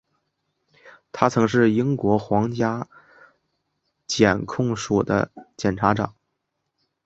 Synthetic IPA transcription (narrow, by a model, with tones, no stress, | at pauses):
t̪ʰa˥t͡sʰɤ˧˥ŋʂ̬ɻ̩˥˩i˥ŋkwɔ˧˥xwɑ˧˥ŋt͡ɕja˥ | t͡ɕjɛ˨˩nkʰʊ˥˩ŋʂu˨˩d̪ə̰˦t͡ɕjɛ˨˩nʈ͡ʂʰa˧˥ʈ͡ʂɑ̰˨˩˦ŋ